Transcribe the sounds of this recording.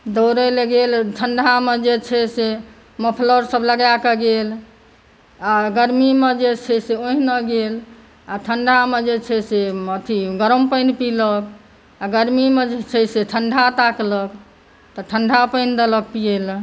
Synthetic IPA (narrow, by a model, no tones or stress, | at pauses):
d̪oɾəlɡelʈʰəɳɖʱamed͡ʒet͡ʃʰɛse | məpʰləɾsəbləɡjakeɡel | aɡəɾmimed͡ʒet͡ʃʰɛseoɦinəɡel | aʈʰəɳɖʱamed͡ʒet͡ʃʰɛseət̪ʰiɡəɾəmpəjnpilək | aɡəɾmimed͡ʒet͡ʃʰɛseʈʰəɳɖʱat̪aklək | t̪ɔʈʰəɳɖʱapəɪnd̪ələk̚piel